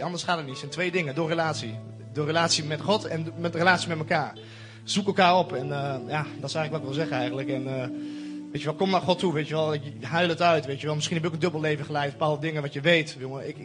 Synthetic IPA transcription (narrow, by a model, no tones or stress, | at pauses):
ɑndəsχaːtətnitsɛntʋeːdɪŋədʊːrəlaːtsi | dʊːrəlaːtsimɛtχɔtɛnmɛtrəlaːtsimɛtməkaːɹ | z̥ukəlˠkaːɹɔpɛnəjadɔtɪ̥sɛxŋləkʋɔtɪk̚ʋɪlˠzɛχəɛjɣəntləkɛn | ʋeːtəʋɔlˠkɔmnaχɔtːuʋejtjəʋɛlˠɪkɦœɥlˠətœɥtʋejtjəʋɛlˠmɪsχinhɛbɪkəndøbəlˠleːvəχəlɛjbəpaːlˠdədɪŋənʋɑtjəʋejtʋjoəɪk